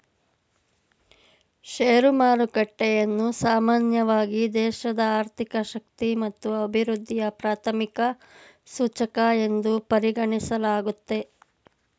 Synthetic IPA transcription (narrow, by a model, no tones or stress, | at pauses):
ʃeːɾumaːɾukɐʈːɛjɐnːusaːmaːnjɐʋaːɡid̪ɛːʃɐd̪ɐaːɾt̪ʰikɐʃɐk̚t̪imɐt̪ːuɐbʱiɾud̪ʱːijɐpɾaːt̪ʰɐmikɐ | suːt͡ʃɐkɐe̞nd̪upɐɾiɡɐɳisɐlaːɡut̪ːe̞